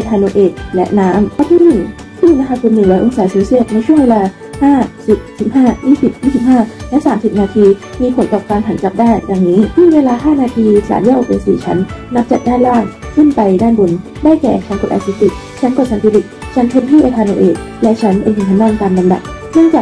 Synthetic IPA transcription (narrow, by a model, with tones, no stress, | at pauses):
ʔa˧t̪ʰaː˧noː˧ʔeː˨˩t̪̚lɛ̰˦˥ʔnaː˦˥mtʰa˧˥˩t̪ʰiː˥˩ɯ˨˩ŋ | t̪ʰiː˥˩iː˧na˧kʰa˧˥kʰu˧nːɯ˨˩lɛ˦˥ʔo˧ŋsaː˨˩˦seː˧si˥˩ət̪̚na˧jt͡ɕʰu˥˩əŋweː˧laː˧ | haː˥˩si˨˩p̚si˨˩p̚haː˥˩jiː˥˩si˨˩p̚jiː˥˩si˨˩p̚haː˥˩lɛ˦˥ʔsaː˩˦msi˨˩p̚naː˧t̪ʰiː˧miː˧pʰo˨˩˦nt̪ɔː˨˩p̚kaː˧nɦʰa˨˩˦nka˨˩p̚daː˥˩nda˨˩ŋniː˦˥t͡ɕʰiː˥˧˩nweː˧laː˧ɦaː˥˩naː˧t̪ʰiː˧sa̰ː˨˦ni˥˩ʔk̚ʔḛ˧nsḭː˧˩t͡ɕʰa̰˦˥nːa˦˥p̚t͡ɕa˨˩t̪̚daː˥˩laː˥˩ŋkʰɯ˥˩npa˧jdaː˥˩nbo˧n | daː˥˩jkɛ̰ː˨˩t͡ɕʰa˦˥nko˨˩t̪ʔa̰˧t̪sʰiː˧˦˥t̪i˨˩k̚ | t͡ɕʰa˦˥nko˨˩t̪̚sa˨˦t̪ʰiː˧li˨˩k̚t͡ɕʰa˦˥npʰe˧mt̪ʰiː˥˩ʔa˧t̪ʰaː˧noː˧ʔḛː˨˩t̪̚ | lɛ˦˥t͡ɕʰa˦˥npe˧nkʰi˨˩ŋt͡ɕʰa˧˥ndaː˧˩ŋt̪aː˧mla˧mda̰˨˩p̚nɯ˥˩əŋt͡ɕaː˨˩k̚